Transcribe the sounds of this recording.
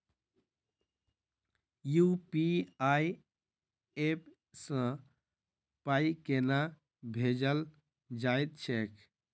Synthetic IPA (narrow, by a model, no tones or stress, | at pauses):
jupiai | ep | sə̃ | paikena | bʱed͡ʒəl | d͡ʒajt̪̚t͡ʃʰekʰ